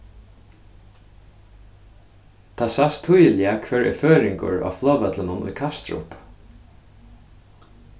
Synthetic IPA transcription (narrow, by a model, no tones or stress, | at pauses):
t̪ʰaːsast̪ʰujəlɪakʰvɛːɹɛ̰føːɾɪŋkʊ̰ɹa̰ːflˠɔːʋɛt̪lənʊnṵjkʰast̪ɾʊ̰p